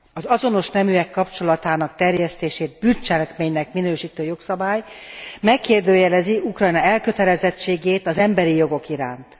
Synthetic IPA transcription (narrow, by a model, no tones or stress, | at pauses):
ɒzɒzo̞no̞ʃnɛmyɛkːɒpt͡ʃo̞lɒt̪aːnɒkt̪ɛrjɛst̪eːʃeːd̪̚bynt͡ʃɛlɛkmeːɲnɛkminøːʃiːt̪øːjo̞ksɒbaːjmɛkːeːrd̪øːjɛlɛziukrɒjnɒɛlkø̞t̪ɛlɛzɛt͡ʃːeːɡeːt̪ɒzɛmbɛɾijo̞ɡo̞kiɾa̰ːnt̪